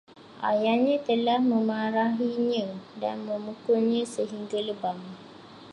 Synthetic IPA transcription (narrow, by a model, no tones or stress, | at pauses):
ʔa̰jaɲãt̪əlahməmaɾaɦiɲãdanməmukulɲãsəɦiŋɡaləbaŋ